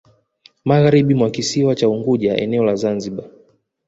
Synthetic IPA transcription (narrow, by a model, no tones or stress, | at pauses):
maɣaɾiɓimwakisiwat͡ʃauŋɡuʄaʔɛ̰nɛɔlazanziɓa